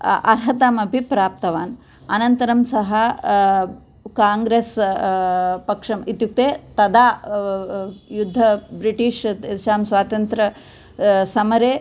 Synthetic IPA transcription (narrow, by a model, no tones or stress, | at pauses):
ɐ̰ɾɦɐt̪aːmɐbʱipɾaːp̚t̪ɐʋaːn | ɐnɐnt̪ɐɾɐmsɐɦɐ | kaːŋɡɾeːs | pɐkʂɐmit̪juk̚t̪eːt̪ɐd̪aː | jud̪ʱːɐbɾiʈiːʂʃaːmsʋaːt̪ɐnt̪ɾɐ | sɐmɐɾeː